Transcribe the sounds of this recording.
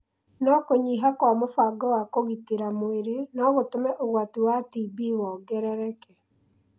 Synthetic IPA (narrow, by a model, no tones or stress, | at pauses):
nɔkoɲiɦakwamofaɡɔwakoɣitiɾamoeɾenɔɣotomɛʔoɣwatiwatibiwɔːɡɛɾɛɾɛkɛ